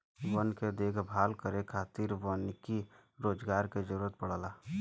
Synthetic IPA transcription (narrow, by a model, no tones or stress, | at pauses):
ʋənked̪eːkʰbʱaːlkəɾekʰaːt̪iɾʋənkiɾoːd͡ʒɡaːɾked͡ʒəɾuːɾət̪̚pəɽaːlaː